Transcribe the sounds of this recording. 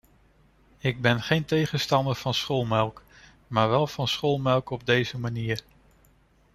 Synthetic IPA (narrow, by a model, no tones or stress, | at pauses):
ɪɡ̚bɛnχejntejχənstɑndəɹv̥ɑnsχolˠmɛlˠk | maːɹʋɛlˠv̥ɑnsχolˠmɛlˠkɔb̚dejzəmaniːɹ